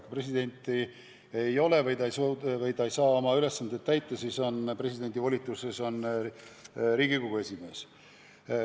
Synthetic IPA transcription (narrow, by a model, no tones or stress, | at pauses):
pre̞sid̪̥e̞nʲt̪ːˑi | ejo̞le̞vɯj̪ɑejsovɯj̪ɑjsɑːo̞mɑyle̞sːɑnd̪et̪t̪ːæjt̪ːˑɑsiso̞npre̞sid̪e̞nʲd̪ivo̞lʲit̪ːˑuseso̞n | ɾiːɡikoɡ̥ue̞sʲime̞ːs